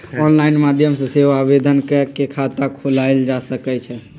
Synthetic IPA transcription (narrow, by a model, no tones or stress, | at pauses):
ɔnlaɪnmad̪ʱjəmsə̃seʋabed̪ʱənkəkekʰat̪akʰolaeld͡ʒasəkɛt͡ʃʰɛ